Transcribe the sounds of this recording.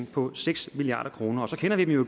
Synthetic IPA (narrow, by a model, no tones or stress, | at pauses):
ŋpʰɒ̽seɡ̥smiliɑ̰̈ːd̥ɐkʰʁo̝ːnɐɒ̽sɒ̽kʰenɐʋid̥emjoɡ̥